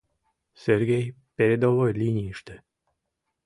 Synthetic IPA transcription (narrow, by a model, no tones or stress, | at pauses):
serɡʲej | peɾʲed̪ovojlʲinʲijiʃt̪e